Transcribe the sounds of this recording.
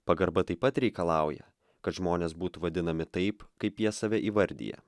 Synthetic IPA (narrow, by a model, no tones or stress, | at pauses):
pɐɡɐɾbɐt̪ɐɪpːɐt̪ɾʲɛɪkɐlˠɑˑʊjɛ̰ | kɐt̪ʒmoːnʲeːsbuːt̪uʋɐd̪ʲɪnɐmʲɪt̪ɐɪpkɐɪpjiɛsɐʋʲɛʔiːʋɐɾʲd̪ʲḭːjɛ̰